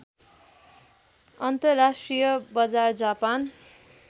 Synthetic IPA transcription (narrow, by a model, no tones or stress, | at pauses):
ʌnt̪ʌrːasʈrijʌbʌd͡zard͡zapan